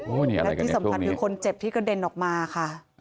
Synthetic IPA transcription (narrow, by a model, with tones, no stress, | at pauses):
o˧˩niː˦˩a̰˧ɾlːa̰˧jkti˥˩sa˩˦m˧a˧nkʰɯː˧kʰo˧nt͡ɕe˨˩p̚t̪ʰiː˥˩ka˧de˧nʔɔː˨˩k̚maː˧kʰa˥˩